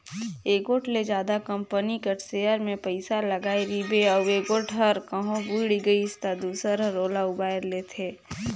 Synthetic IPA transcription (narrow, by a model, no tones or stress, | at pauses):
eːɡoːʈled͡ʒjaːd̪akɐ̃mpənikəʈsejəɾmẽpəɪsalɐɡaːeɾiːbeɔeːɡoːʈʰɦɐɾkəɦõbuiɽiɡəiɪst̪ad̪uːsəɾɾoːlaʊbaːɪɾleːt̪ʰeː